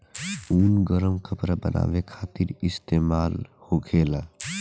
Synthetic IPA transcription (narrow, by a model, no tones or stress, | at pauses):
uːnɡəɾəmkʰəpɾabənʔa̰ːʋekʰaːt̪iɾist̪emaːlhoɡʰeːla